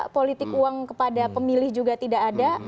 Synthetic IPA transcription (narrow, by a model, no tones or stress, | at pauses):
polit̪ɪkuaŋkəpadapəmilɪhd͡ʒuɡat̪idakada